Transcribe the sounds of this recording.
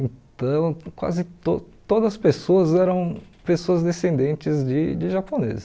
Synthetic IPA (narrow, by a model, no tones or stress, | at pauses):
ẽt̪ɐ̃w̃kwa̰zɪt̪ot̪od̪ɐspesoɐzɛɾɐ̃w̃pesoɐzd̪esẽnd̪ẽnt͡ʃɪzd͡ʒɪd͡ʒɪʒaponḛzɪ